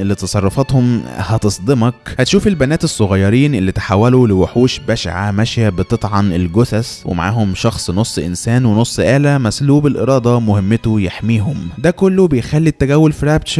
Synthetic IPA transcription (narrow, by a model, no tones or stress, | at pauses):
ʔelːit̪ɑsˤɑrˤːofɑt̪homhɑt̪esˤd̪ˤemɑkhæt̪ʃuːfelbænæːt̪esˤːoɣɑjːɑɾiːnʔelːit̪ħawːæloleweħuːʃbæʃʕamæʃjæbet̪ˤet̪ˤʕɑnelɡosæswʔḛma̰ʕa̰ːhomʃɑxsˤnosˤːʔɪ̰nsæːnwenosˤːʔæːlæmæsluːbelʔḛɾˤɑːd̪ˤɑmohemːet̪ojeħmiːɦomd̪ækolːobejxælːit̪ːæɡæwːolfiɾæbt͡ʃɾ